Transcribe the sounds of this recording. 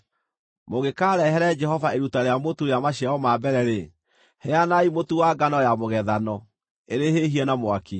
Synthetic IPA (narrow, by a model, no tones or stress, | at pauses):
moɣekaːɾɛɦɛɾɛd͡ʒɛhɔvaeɾutaɾeamotuɾeamaɕiaɔmaːbɛɾɛɾe | hɛanaimotuwaɡanɔjamoɣɛðanɔ | eɾeheɦiɛnamoaki